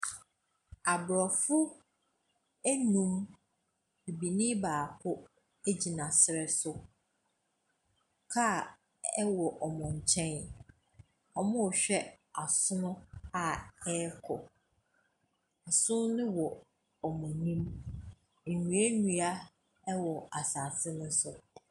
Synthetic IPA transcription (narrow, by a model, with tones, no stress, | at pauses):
a˨bɾɔ˨fʊ˦ | æ˦nũ˦m | i˨bi˨nĩ˦baː˨kʰʊ˦ | e˦d͡ʑi˨nã˨sɪ˨ɾɛ˨sʊ˨ | kʰa˦˨ | ɛ˦wɔ˨ʔɔ˨mɔ̃˨ɲ̩˨t͡ɕʰɛ̃˦n | ɔ˨mʊ̃˦ɔ˨ɕᶣɛ˦ | a˨sʊ˦nʊ̃˦a˨ɛ˦kʰɔ̰˨ | a˨sʊ̃˦nɪ̃˦wɔ˨ | ɔ˨mʊ̃˨nĩ˦m | n̩˨ɲũ˨æ˦nũ˦a˦ | ɛ˦wɔ˨a˨sa˨sɪ˦nʊ̃˦sʊ˦